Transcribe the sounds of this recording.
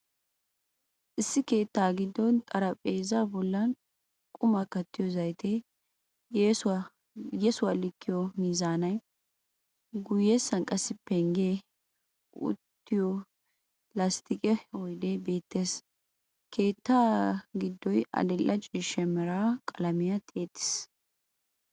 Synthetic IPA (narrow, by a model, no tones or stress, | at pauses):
ʔɪsːɪke̞ːt̪ːaːɡɪd̪ːɔnt̪ʼɐɾɐpʼeːzaːbɔlːɐn | kʼʊmɐkːɐt̪ːɪjɔzɐjt̪ʰe | jesʊwa | jesʊwalɪkʰːɪjɔmiːzaːnɐj | ɡʊjːɛsːɐnkʼɐsːɪpːɛŋɡe | ʊ̰t̪ːɪjɔ | lɐst̪ʰɪkʼɛɔjd̪ebe̞ːt̪ːeːs | kʰe̞ːt̪ːaːɡɪd̪ːɔjɐ̰d̪ɛlːɐt͡ʃʼiːʃːɛmɛɾakʼɐlɐmɪjɐt̪ʼeːt̪ːɪ̥s